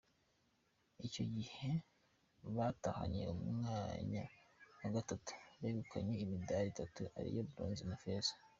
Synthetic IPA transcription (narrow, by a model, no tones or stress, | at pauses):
ico̞ɟihe̞ | βataha̰ɲe̞̰umaːɲa̰waɡatatu̥βeɡukʰaɲe̞imidaɾitatuʔa̰ɾḭjobuɾoːnzinafezḁ